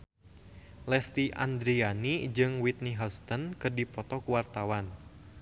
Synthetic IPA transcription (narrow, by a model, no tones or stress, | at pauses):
lɛst̪iʔa̰nd̪ɾianid͡ʒɨŋwit̪̚niɦɔst̪ɔnkɨrdipɔt̪ɔkuwart̪awan